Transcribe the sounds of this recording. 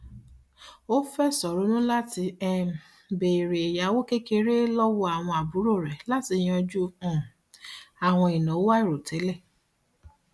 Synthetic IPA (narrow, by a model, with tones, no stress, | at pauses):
o˦fɛ˦sɔ˨ɾo˨˦nũ˦la˦ti˧ɛ˦ | be˨ɾe˨e˨ja˨˦wo˦ke˦ke˧ɾe˦lɔ˦wɔ˧a˨w̃ɔ̃˧a˨bu˨˦ɾo˦˨ɾɛ˨la˦ti˧j̃ɔ˧d͡ʒũ˦˨ | a˨w̃ɔ̃˧i˨nɔ̃˨o˦wa˦i˦˨ɾo˨tʰɛ˨˦lɛ˦˨